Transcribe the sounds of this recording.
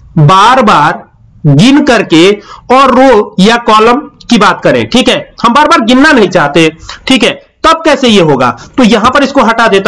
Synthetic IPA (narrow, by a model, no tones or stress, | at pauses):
baːɾbaːɾ | ɡɪnkɐɾkeɔːɾːoːjakɔːləmkibaːt̪kɐɾḛ̃ʈʰiːkɦɛːhɐmbaːɾbaːɾɡɪnːanɐɦĩt͡ʃaːɦt̪eɛ̃ːʈʰiːkɦɛːt̪ɐb̚kɛːsejeɦoːɡa̰ːt̪ojɐɦãpɐɾɪskoɦɐʈad̪eːt̪a